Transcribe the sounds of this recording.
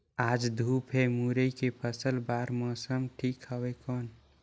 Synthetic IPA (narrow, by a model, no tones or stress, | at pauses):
aːd͡ʒd̪ʱuːpʰɦemuɾəikepʰəsəlbaːɾmɔːsəmʈʰiːkɦəwekɔːn